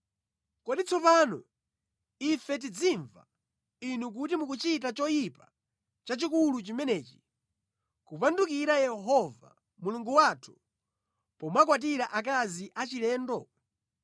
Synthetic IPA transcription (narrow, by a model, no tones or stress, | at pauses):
kɔɗit͡sʰɔpanɔ̰ | ifɛt̬id͡ziɱva̰ | inuk̬utimukut͡ʃit̬at͡ʃɔjipa | t͡ʃat͡ʃikulut͡ʃimɛnɛːt͡ʃi̥ | kupandukiɾajɛɦɔva̰ | muluŋɡuwaːtʰu̥ | pɔmwakwat̬iɾaʔak̬aziʔat͡ʃilɛːndɔ